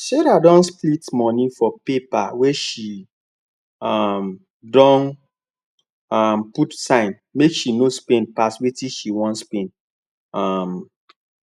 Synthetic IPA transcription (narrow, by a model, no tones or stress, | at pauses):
ʃɛɾadɔ̃nsplitmɔnĩfɔpepawɛʃi | am | dɔ̃n | amputsãɪ̃n | mekʃinospẽnpaswetiʃiwɔ̃ntspẽn | am